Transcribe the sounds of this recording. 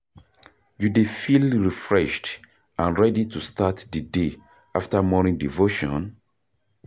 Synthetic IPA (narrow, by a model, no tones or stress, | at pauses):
judefilɹifɹɛʃt | ãnɹɛditʰustatdəde | aftamɔnĩŋdivoʃɔ̰̃n